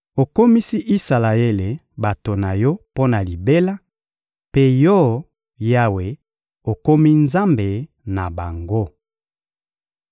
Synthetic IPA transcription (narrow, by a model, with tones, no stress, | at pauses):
o˨ko˦mi˦si˦ʔi˦sa˨la˨e˦le˨ | ba˨to˨na˨jɔ˦po˦na˨li˨be˦la˦ | pe˦jɔ˦ | ja˦we˨ | o˨ko˦mi˦nza˦mbe˨ | na˨ba˨ŋɡo˦